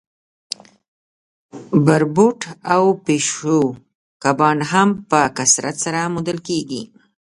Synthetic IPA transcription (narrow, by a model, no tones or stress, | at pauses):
baɾbuʈawpeʃo | kabɑnɦampəkasɾat̪saɾamud̪əlkeɡḭ